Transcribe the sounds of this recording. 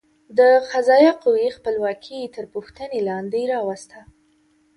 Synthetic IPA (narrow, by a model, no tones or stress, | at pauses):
d̪əxazɑjɑquwexpəlwɑkʰit̪əɾpuxt̪ənelɑnd̪eɾɑwast̪a